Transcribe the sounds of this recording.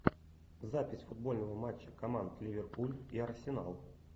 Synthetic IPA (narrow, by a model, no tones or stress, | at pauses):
zapʲɪsʲfʊd̪̚bo̞lʲnəvəmat͡ɕːəkɐmant̪lʲɪvʲɪrpulʲiɐrsʲɪna̰lˠ